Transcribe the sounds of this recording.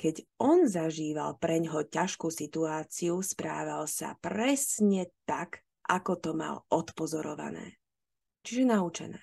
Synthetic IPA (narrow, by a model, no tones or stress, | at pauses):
kɛɟʔɔnzaʒiːʋa̰lpɾɛɲɦɔcaʃkuːsit̪uaːt͡siuspɾa̰ːʋalsa̰pɾɛsɲɛt̪ak | ʔakɔt̪ɔma̰lʔɔt̪pɔzɔɾɔʋa̰nɛ̰ː | t͡ʃiʒɛnaut͡ʃɛ̰nɛ̰ː